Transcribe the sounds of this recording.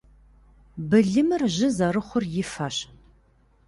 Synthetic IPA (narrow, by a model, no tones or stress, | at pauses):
bɨɮɨmɨrʑɪzɐrɨχʷʊrjɪfaɕ